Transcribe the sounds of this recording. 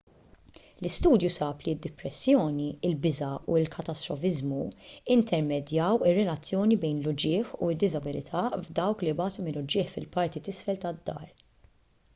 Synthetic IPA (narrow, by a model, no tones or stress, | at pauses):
lɪst̪uːd̪jusɐːpliɪd̪ːɪpɾɛsːjɔːniɪlbɪzɐuɪlkʰɐt̪ɐst̪ɾɔfɪzmuɪnt̪ʰɛɾmɛd̪jɐwɪrːɛlɐt͡sːjɔːnibɛjnlʊd͡ʒɪːħṵɪd̪ːɪzɐbɪlɪt̪ʰɐvd̪ɐwklibɐːt̪umɪlʊd͡ʒɪːħfɪlpɐɾt̪it̪ɪsfɛlt̪ɐd̪ːɐ̰ːɾ